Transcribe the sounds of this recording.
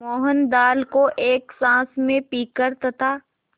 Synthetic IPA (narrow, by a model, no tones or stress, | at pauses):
mɔːɦənd̪aːlkoʔeːksãːsmẽpiːkəɾt̪ɐt̪aː